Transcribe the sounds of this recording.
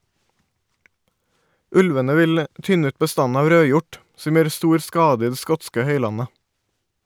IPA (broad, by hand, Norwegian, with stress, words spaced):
ˈʉlʋənə ˈʋɪl ə ˈʔtʏnə ˈʉːt bəˈstɑn ˈɑːʋ ˈɾøːˌjʊʈ ˈsɔm ˈjøːɾ ˈstuːɾ ˈskɑːdə ˈiː ˈdeː ˈskɔtskə ˈhœʏˌlɑnə